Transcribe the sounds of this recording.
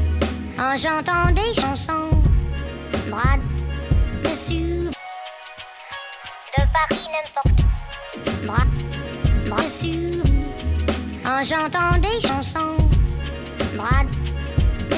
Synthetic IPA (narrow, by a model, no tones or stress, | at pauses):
ɑ̃ʒɑ̃t̪ɑ̃d̪eʃɑ̃sɔ̃ | bʁad̪ | məsjy | d̪əpaʁinɛ̃pɔʁt̪ | bʁa | bʁasy | ɑ̃ʒɑ̃t̪ɑ̃d̪eʃɑ̃sɔ̃ | bʁad̪ | m